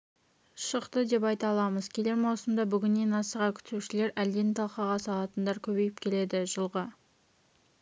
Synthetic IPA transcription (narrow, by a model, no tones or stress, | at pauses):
ʃəqt̪əd̪e̞pɑjt̪ɑlˠɑməzkʲʰe̞le̞ɾmɑwˠsəmd̪ɑbʏɡʲɪnːenɑsəʁɑkʲʰʏ̥t̪uʃɪle̞ɾæld̪e̞nt̪ʰɑlˠqɑʁɑsɑlˠɑt̪ənd̪ɑɾkʲʰɵbe̞jɪp̚kʲʰe̞le̞d̪ɪʒəlˠʁə